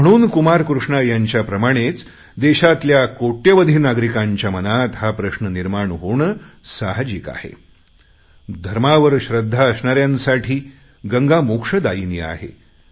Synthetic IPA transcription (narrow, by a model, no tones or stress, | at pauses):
m̤əɽ̃uːnkumaɾkɾuʂɳajaɲt͡ɕjapɾəmaɽ̃et͡s | d̪eɕat̪ljakoʈjəʋəd̪ʱiːnaɡɾikaɲt͡ɕjamənat̪ɦapɾəɕnəniɾmaɳɦoɳəsaɦd͡ʑika̰hḛ | d̪ʱəɾmaʋəɾɕɾəd̪ʱːaəsɳaɾjãnsaʈʰiː | ɡəŋɡamokʂəd̪ainia̰ɦḛ